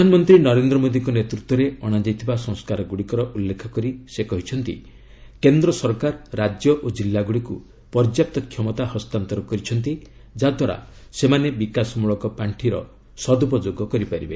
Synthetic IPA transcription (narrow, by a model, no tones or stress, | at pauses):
panɔmɔnt̪ɾinɔɾend̪ɾɔmod̪ikɔnet̪ɾut̪wɔɾeɔɽ̃ad͡ʒajt̪ʰibasɔ̃ŋskaɾɔɡuɽikɔɾɔʔulːekʰɔkɔɾisekɔɦit͡ʃʰɔnt̪ḭ | kend̪ɾɔsɔɾkaɾːad͡ʒjɔʔod͡ʒilːaɡuɽiku | pɔɾd͡ʒjap̚t̪ɔkʰjɔmɔt̪ahɔst̪ant̪ɔɾɔkɔɾit͡ʃʰɔnt̪i | d͡ʒad̪ʱwaɾa̰ | semanebikasɔmuɭɔkɔpaɳʈʰiɾɔ̰ | sɔd̪upɔd͡ʒoɡɔkɔɾipaɾibe